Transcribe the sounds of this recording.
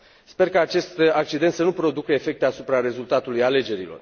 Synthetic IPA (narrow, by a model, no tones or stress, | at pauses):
spe̞rkaːt͡ʃe̞st̪ak̚t͡ʃid̪ent̪sənupɾo̞d̪ukəefe̞k̚t̪easupɾaɾe̞zult̪at̪ulujale̞d͡ʒe̞ɾilo̞r